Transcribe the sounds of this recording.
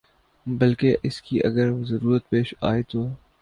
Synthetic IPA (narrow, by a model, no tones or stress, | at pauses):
bɐlkeʔɪskiʔɐ̰ɡəɾzɐɾuːɾət̪̚peːʃa̰ːet̪oː